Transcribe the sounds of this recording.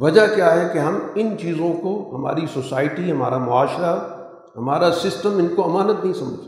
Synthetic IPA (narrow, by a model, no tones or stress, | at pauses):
ʋɐd͡ʒakjaɦɛkeɦɐmɪnt͡ʃiːzõkoɦɐma̰ːɾisoːsaːɪʈiɦɐma̰ːɾamʊaːʃɾa | ɦɐmaːɾasɪsʈəmɪnkoɐmaːnət̪nɐɦĩsɐməd͡ʒs